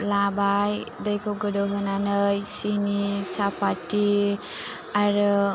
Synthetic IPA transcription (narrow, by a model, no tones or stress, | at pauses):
labajdəjkʰɔɡɯdoɦɯnanɯjsinisapatːi | aɾ